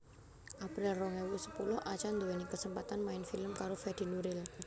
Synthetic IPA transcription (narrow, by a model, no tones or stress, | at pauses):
ʔapɾɪlrɔŋewusə̥pulʊhʔat͡ʃand̪owenikəsəmpat̪anmaɪnfiləmkaɾofɛd̪̥i̤nuɾɪl